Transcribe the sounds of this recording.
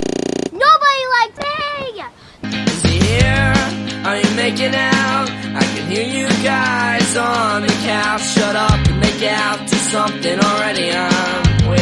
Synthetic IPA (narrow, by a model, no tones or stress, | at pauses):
noʊbɑɾilaɪk̚sej | ɨzjɨhiɹə˞jɨmeɪkɪ̃ŋaʊt̚ʔaɪkɨ̃nɦiɹjɨɡaɪzn̩ɨkʰæʃʌɾʌpɨ̃nmeɪkɨɾaʊtʰɨsʌ̃mθɪ̃ŋl̩ˠɹɛɾiʌ̃ | mwɪ